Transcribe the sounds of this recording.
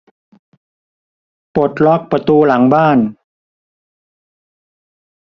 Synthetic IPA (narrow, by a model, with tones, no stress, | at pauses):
po˨˩t̪̚lɔ˦˥˩k̚pɾa˧t̪uː˧la˩˦ŋbaː˥˩n